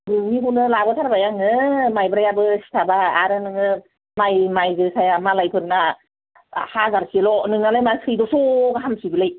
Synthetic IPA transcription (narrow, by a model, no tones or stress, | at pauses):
ɡɯmiɦunɯlabɔtʰaɾbajaŋɯmajbɯɾajabɯsi̥tʰabaa̰ɾɯnɯŋɯ | majmajɡɯsʰajamalajpʰɯnna | hazaɾsilɔnɯŋalajmasʰɯjdɔsoɡaɦamsibilaj